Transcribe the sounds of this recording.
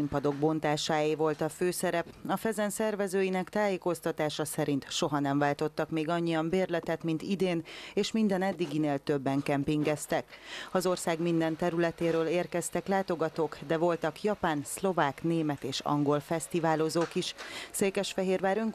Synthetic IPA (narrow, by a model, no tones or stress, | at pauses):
impɒd̪o̞ɡ̚bo̞nt̪aːʃaːjivo̞lt̪ɒføːsɛɾɛpɒfɛzɛnsɛrvɛzøːjinɛkt̪aːjeːko̞st̪ɒt̪aːʃɒsɛɾint̪ʃo̞ɦɒnɛɱvaːlt̪o̞t̪ːɒkmeːɡɒɲːijɒmbeːrlɛt̪ɛt̪mint̪id̪eːneːʃmind̪ɛnɛd̪ːiɡineːlt̪øbːɛŋkɛmpiŋɡɛst̪ɛkɒzo̞rsaːɡmind̪ɛnt̪ɛɾylɛt̪eːɾøːleːrkɛst̪ɛklaːt̪o̞ɡɒt̪oːkd̪ɛvo̞lt̪ɒkjɒpaːnslo̞vaːkneːmɛt̪eːʃɒ̰ŋɡolfɛst̪ivaːlozoːkiʃseːkɛʃfɛɦeːrʋaːɾøŋ